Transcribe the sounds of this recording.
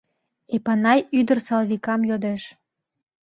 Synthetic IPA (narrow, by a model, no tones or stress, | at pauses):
epɑnɑjyd̪ərsɑlβikɑmjod̪eʃ